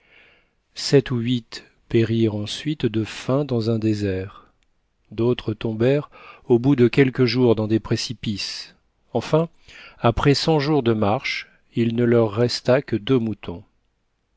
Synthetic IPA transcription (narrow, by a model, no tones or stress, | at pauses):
sɛt̪uɥit̪ | peʁiʁɑ̃sɥit̪d̪əfɛ̃d̪ɑ̃zɛ̃d̪ezɛʁ | d̪ot̪χət̪ɔ̃bɛʁobud̪əkʲɛlkəʒuʁd̪ɑ̃d̪epχesipis | ɑ̃fɛ̃ | apχɛsɑ̃ʒuʁd̪əmaʁʃ | ilnəlœʁːɛst̪akəd̪ømut̪ʰɔ̃